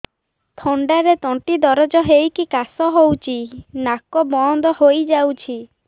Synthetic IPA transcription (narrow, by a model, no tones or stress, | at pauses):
t̪ʰoɳɖaɾet̪ɔ̃ʈid̪ɔɾɔd͡ʒɔɦejkikasɔɦowt͡ʃʰinakɔbɔnd̪ɔhojd͡ʒawt͡ʃʰi